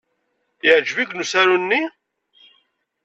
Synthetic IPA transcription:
ɪʕʒviɡnusæɾunːi

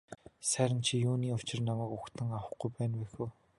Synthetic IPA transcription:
sæːɾʲɪ̆nt͡ɕʰijuːniːʊt͡ɕɪ̆rnamæːkʊkt̪ʰə̆ŋawə̆χɡujpæːnwæːxu

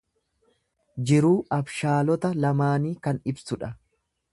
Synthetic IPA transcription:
d͡ʒɪɾuːɐbʃaːlɔt̪ɐlɐmaːniːkɐnɪbsʊᶑɐ

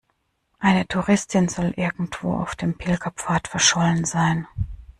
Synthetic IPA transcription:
ʔaɪnətʰuʁɪstʰɪnzɔlʔɪɐɡŋ̩tv̥o̰ːʔa̰ʊfd̥eːmpʰɪlkʰapfaːɐtfɛɐʃɔlənzaɪn

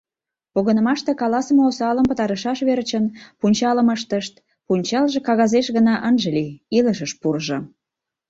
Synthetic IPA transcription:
poɣənəmɑʃt̪ekɑlɑsəmoosɑləmpət̪ɑɾəʃɑʃβert͡ɕənpunʲt͡ɕɑləməʃt̪əʃt̪̚ | punʲt͡ɕɑlʒekɑɣɑzeʃɣənɑʔənʒəliiləʃəʃpurʒŏ

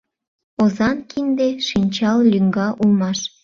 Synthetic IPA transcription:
ozɑnkʰind̪eʃinʲt͡ɕɑllʲyŋɡɑʔulmɑʃ

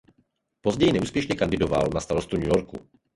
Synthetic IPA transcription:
po̞zɟɛjinɛʔuːspjɛʃɲɛkandɪdova̰lnast̪aɾost̪uɲujoɾkṵ

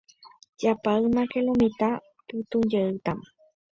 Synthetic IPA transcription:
d͡ʒapaɨmãkelomĩt̪a | pɨt̪ũnd͡ʒeɨt̪am

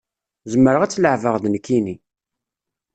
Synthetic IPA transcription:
zəmːəɾəʁæt͡sːləʕvəʁðnkːini

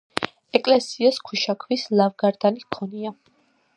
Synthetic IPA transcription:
ɛkʼlɛsiaskʰuʃakʰvislavɡaɾd̪anikʰɔnia

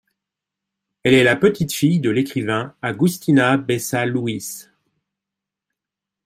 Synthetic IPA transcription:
ɛlɛlapət̪it̪fijd̪əlekχivɛ̃aɡyst̪inabɛsaluis

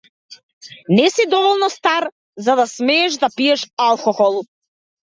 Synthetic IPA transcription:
nɛsid̪ɔvɔlˠnɔst̪aɾ | zad̪asmɛːʃd̪apiɛʃalˠkɔxɔlˠ

